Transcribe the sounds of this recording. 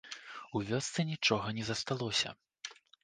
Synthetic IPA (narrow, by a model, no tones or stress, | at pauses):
uvʲɔst̪sɨnʲit͡ʂɔɣɐnʲɛzɐst̪alˠɔsʲɐ̰